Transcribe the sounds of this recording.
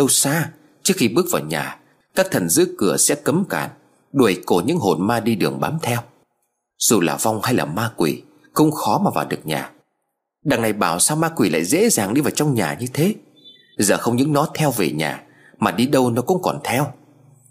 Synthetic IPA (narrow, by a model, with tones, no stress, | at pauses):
ɗə˧wsaː˧ | t͡ɕɨ˦˥ək̚xi˧ɓɨ˦˥ək̚vaː˨˩wɲa̰ː˨˩ | kaː˦˥k̚t̪ʰə˨˩nzɨ̰˧˥əkɨ˧˩əsɛ̰˧˥kə˨˦mka̰ː˧˩n | ɗu˨˩˨jko˧˩ɲɨ̰˧˥ŋɦo˨˩nmaː˧ɗi˧ɗɨ˨˩əŋɓaː˨˦mt̪ʰɛ˧w | z̥u˨˩laː˨˩va˧wŋ͡mha˧jlaː˨˩maː˧kwḭ˨˩ | xə˧wŋ͡mxɔ˨˦maː˨˩vaː˨˩wɗɨ˨˩ək̚ɲa̰ː˨˩ | ɗaː˨˩ŋna˨˩jɓaː˧˩wsaː˧wmaː˧kwi˨˩la̰ː˧˨jzḛ˧˥zaː˨˩ŋɗi˧vaː˨˩wt͡ɕɔ˧wŋ͡mɲaː˨˩ɲɨ˧t̪ʰe˨˦ | zəː˨˩xə˧wŋ͡mɲɨ̰˧˥ŋnɔ˨˦t̪ʰɛ˧wve˨˩ɲa̰ː˨˩ | maː˨˩ɗi˧ɗə˧wnɔ˨˦kʊ̰˧˥ŋ͡mkɔ˨˩nt̪ʰɛ˧w